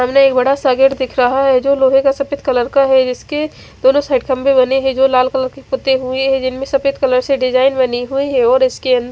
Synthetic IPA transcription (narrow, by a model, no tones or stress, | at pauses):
ɦəmneeːk̚bəɽasaːɡɪɾd̪ɪkʰɾɐɦaɦɛd͡ʒoːloːɦẽkasɐpɪt̪ʰkələɾkaɦɛd͡ʒɪske | d̪oːnõsaːɪɖkʰəmbẽbɐneɦɛ̃d͡ʒoːlaːlkələɾkepʊt̪ːeɦueɦɛ̃d͡ʒɪnmẽsɐpɪt̪̚ʰkələɾseɖɪd͡ʒaːɪnbɐniɦuiɦɛ̃ɔːɾɪskeə̃nd̪əɾ